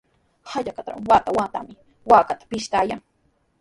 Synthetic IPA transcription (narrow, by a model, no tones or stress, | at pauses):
haʎakat̪ɾa̰waːt̪awaːt̪a̰mɪ | waːkat̪ḁpɪʃt̪aːjaŋ